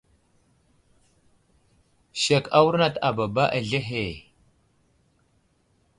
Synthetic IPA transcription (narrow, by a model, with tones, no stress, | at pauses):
ʃe˨ka˦wu˦ɾna˦˨ta˨ba˨ba˦ʔa˨ɮe˦ɦe˨